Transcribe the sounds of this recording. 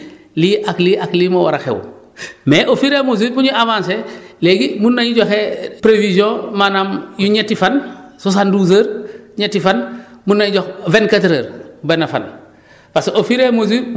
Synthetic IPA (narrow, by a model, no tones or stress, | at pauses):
liʔakliʔakliːmowaɾaxḛw | meʔofiɾemoz̬ibuɲuʔavãːnseleɡimunːaɲuɟoxepɾevizjõmanamjuɲetifansus̬anduz̬əɾɲetːifanmunːaɲuɟoxvenkatɾɐɾbenafa̰n | pasofiɾemoz̬i